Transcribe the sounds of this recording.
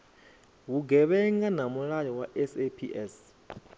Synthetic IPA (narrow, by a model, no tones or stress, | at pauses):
wuɡɛβɛŋɡanamuɺajɔwaʔɛsepʰiʔɛs